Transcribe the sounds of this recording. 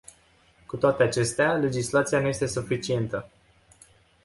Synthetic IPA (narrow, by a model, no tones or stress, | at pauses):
kut̪oat̪e̞at͡ʃe̞st̪eale̞d͡ʒislat̪sijanuje̞st̪e̞sufit͡ʃie̞nt̪ə